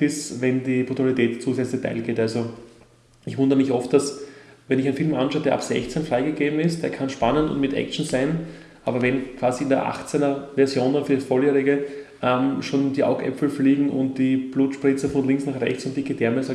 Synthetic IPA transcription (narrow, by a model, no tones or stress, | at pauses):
ɪsvɛndiːbʁutalitɛːtt͡suːsɛt͡slçtʰa̰ɪlɡ̥eːtalzo | ɪçvʊ̃ndəʁəmɪçʔɔft̚d̥asvɛnɪçæɪnfilmʔa̰nʃɑʊədeːɐʔa̰psɛ̰çt͡sɛnfʁaɪɡəɡeːbm̩ɪst̚d̥eːɐkʰanʃpanəntʊ̰ntmɪtʔɛ̰k̚t͡ʃn̩saɪn | ʔa̰ːbɐvɛnkʰv̥aːziɪndeɐʔa̰χt͡sɛnɐvɛɐzjoːndanfyːɐsfoheːʁɪɡə | ʔɛmʃoːnd̥iʔa̰ʊɡʔɛ̰pfl̩fliːɡŋ̩ʊ̰̃nt̚d̥ib̥luːtʃpʁ̥ɪt͡sɐfɔnlɪŋksnaχʁɛ̰çt͡sʊ̃ntd̥ikəd̥ɛɐmɛsa